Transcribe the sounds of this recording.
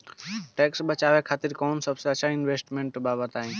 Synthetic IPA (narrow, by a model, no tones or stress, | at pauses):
ʈɛːksbət͡ʃaːʋekʰaːt̪iɾkɔːnsəbseət͡ʃʰaɪnʋeːsʈmẽɳʈbaːbət̪aːĩ